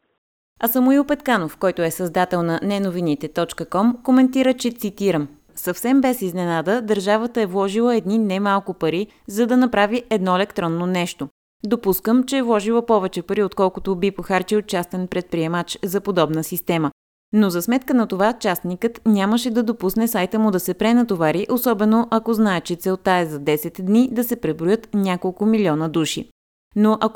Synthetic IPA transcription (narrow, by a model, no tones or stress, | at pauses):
ɐsəmʊilˠpɛt̪kanofkɔjt̪ʊɛsɐzd̪at̪ɛlˠnɐnɛnovinit̪ɛt̪ɔt͡ʃkəkɔmkomɛnt̪iɾət͡ʃɛt̪sit̪iɾəm | sɐfsɛmbɛsiznɛnad̪əd̪əɾʒavət̪əɛvlˠɔʒilˠəɛd̪ninɛmalˠkʊpɐɾi | zɐd̪ɐnɐpɾaviʔɛd̪nɔɛlɛkt̪ɾɔnːonɛʃt̪o | d̪opuskəmt͡ʃɛːvlˠɔʒilˠəpɔvɛt͡ʃɛpɐɾiot̪kɔlˠkʊt̪obipoxaɾt͡ʃɛot̪̚t͡ʃast̪ɛnpɾɛt̪̚pɾiɛmat͡ʃzɐpod̪ɔbnəsist̪ɛmə | nozɐsmɛt̪̚kənɐt̪ovat͡ʃast̪nikət̪nʲaməʃɛd̪ɐd̪opusnɛsajt̪əmʊd̪ɐsɛpɾɛnɐt̪ovaɾiʔosɔbɛnoʔɐkoznaɛt͡ʃɛt̪sɛlˠt̪aɛzɐd̪ɛsɛt̪d̪nid̪ɐsɛpɾɛbɾojɤt̪nʲakolˠkʊmilʲiɔnəd̪uʃḭ | noʔɐk